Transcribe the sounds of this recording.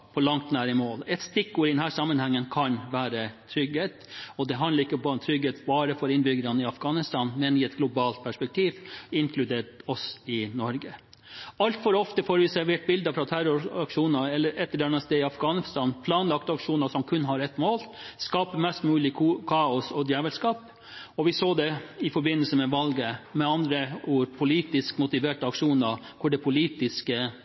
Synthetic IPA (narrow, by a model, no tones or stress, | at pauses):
pʰɔlɑŋt̪næːɾɪmoːlɛt̪st̪ɪkːʊɾɪd̪ɛnhæːʂɑmːənhɛŋːənkʰɑnʋæːɾət̪ʰɾʏɡheːt̪ɔd̪ɛɦɑnd̪ləɾɪkːəbɑːɾmt̪ʰɾʏɡheːt̪bɑːɾəfɔɾɪnbʏɡəɾɑnəɪɑfɡ̥ɑːnɪst̪ɑːnmɛnɪɛt̪ɡlʊbɑːlt̪̚pʰæʂpɛk̚t̪ʰiːʋɪŋkʰlʉd̪eːʈɔsɪnɔɾɡə | ɑlt̪fɔɾɔft̪əfoːɾʋɪsæɾʋeːʈ̚bɪld̪əfɾɑt̪ʰæɾʊɾɑkʂuːnəɛlːəɾɛt̪ːəɖɛnːəst̪eːɪɑfɡɑːnst̪ɑːnpʰlɑːnlɑkt̪əɑkʂuːnəsɔmkʰʉnːɦɑɾɛt̪ːmoːlskɑːpəmɛst̪mʉːlɪkːkʰɑːɔsɔd̪jæːʋəlskɑːp | ɔʋɪsoːd̪ɛɪfɔɾbɪnːəlsəmɛʋɑlɡəmɛɑnd̪ɾəuːɾpʰʊliːt̪ɪskmʊt̪ɪʋeːʈəɑkʂuːnə | kʰʊɖɛpʰʊliːt̪ɪskə